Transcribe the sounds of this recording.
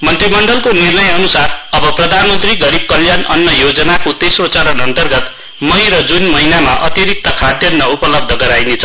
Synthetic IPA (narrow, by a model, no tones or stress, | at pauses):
mʌnt̪rimʌɳɖʌlkonirnʌjʌnusarʌbʌprʌd̪ʱanmʌnt̪riɡʌɾib̚kʌljanʌnːʌjod͡zʌnakot̪esrot͡sʌɾʌnʌnt̪ʌrɡʌt̪ | mʌjɾʌd͡zunmʌɦinamaʔʌt̪iɾik̚t̪ʌkʰad̪jʌnːʌupʌlʌb̚d̪ʱʌɡʌɾajnet͡sʰʌ